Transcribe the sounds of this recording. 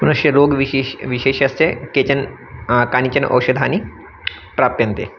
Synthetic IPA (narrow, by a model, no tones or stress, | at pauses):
mɐnuʃjɐɾoːɡʋiʋiʃeːʃɐsekeːt͡ʃɐn | kaːnit͡ʃɐnʔo̰ːʃɐd̪ʱaːni | pɾaːp̚t̪jɐ̃nt̪ḛː